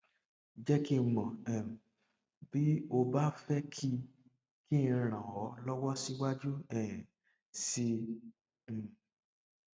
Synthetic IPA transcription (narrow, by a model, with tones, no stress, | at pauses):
d͡ʒɛ˦ki˦˨mɔ̃˨ɛ̃˨ | bi˨˦o˧ba˦fɛ˦kʰi˦ | kĩ˦˧ɾ̃ã˨wɔ˨˦lɔ˦wɔ˦si˦wa˦d͡ʒu˦ɛ̃˦˨ | sĩ˧˨